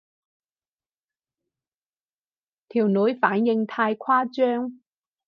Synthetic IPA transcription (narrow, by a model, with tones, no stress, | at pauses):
t̪ʰiː˨˩wnɵ˨˥jfaː˨˥njɪ˧ŋt̪ʰaː˧jkʰaː˥t͡ʃœː˥ŋ